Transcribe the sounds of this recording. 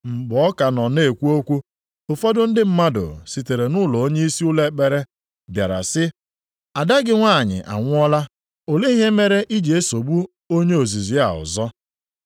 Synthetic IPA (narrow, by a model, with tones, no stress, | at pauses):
m̩˨ɡ͡bɔ˦ka˨nɔ˨ne˦˨kʷu˦o˦kʷu˦ | o˨fɔ˦dʊ˦n̩˦dɪ˦m̩˦ma˦dʊ̰˨si˨te˨ɾe˨nʊ˦˨lɔ˨o˦ɲe˦i˦si˦ʊ˦le˦k͡pe˨ɾe˦ | bja˨ɾa̰˨sɪ˦ | a˨da˦ɡɪ˦ŋʷa˦˨ɲɪ̰˨ʔa̰˨ŋʷʊ˦ɔ˦la˦ | o˨le˦i˦ɦe˦me˦ɾe˦ʔi˦d͡ʒe˨e˦so˨bu˦ | o˦ɲe˦o˨zi˨zi˨a̰˨ʊ̰˨zɔ˦